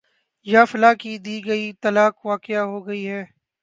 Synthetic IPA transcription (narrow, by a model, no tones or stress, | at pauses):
jaːfɐlaːkid̪iːɡɐit̪ɐlaːkʋaːkɪjaɦoːɡɐiɦɛː